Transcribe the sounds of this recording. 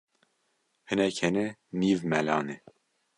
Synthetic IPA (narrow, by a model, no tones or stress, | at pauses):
hɨnɛkʰhɛnɛniːvmɛlɑːne